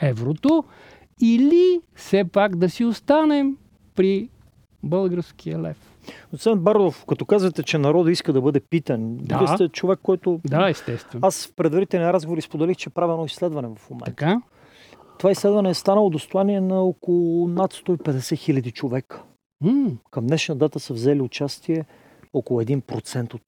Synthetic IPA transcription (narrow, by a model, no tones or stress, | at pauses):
ɛvɾot̪o | ilisɛpakd̪ɐsiost̪anɛm | pɾi | bɤlˠɡəɾsk̟ʰijəlɛ̰f | nosɛnbaɾd̪ofkɐt̪ɔkazvɐt̪ɛt͡ʃɛnɐɾɔd̪iskəd̪ɐbɤd̪ɛpit̪ənd̪sɛt͡ʃovɛkːɔjt̪od̪aɛst̪ɛst̪vɛnasfpɾɛd̪vɐɾit̪ɛlˠniɾazɡovoɾispod̪ɛlixt͡ʃɛɛpɾavʲiɛnɔislɛd̪vɐnɛvɐfmomɛ̰t̪tk̪a | t̪ovaislɛd̪vɐnɛːst̪anəlˠod̪ost̪oaniɛnɐɔkolˠʊnat̪st̪ɔipɛd̪ɛsɛxilʲɐd̪it͡ʃovɛkə̥ | kɐmnɛʃnəd̪at̪əsəvzɛliʊt͡ʃast̪iɛ | ɔkolˠʊɛd̪inpɾot̪sɛnt̪ot̪